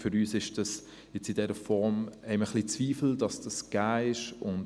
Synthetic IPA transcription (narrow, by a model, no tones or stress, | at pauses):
fʏɾyːsɪʃd̥ɑs | jɛt͡sidɛɾəfɔɾmɛɪməχlit͡sviːfl̩d̥ɑsd̥ɑsɡ̥aːɪʃʊnd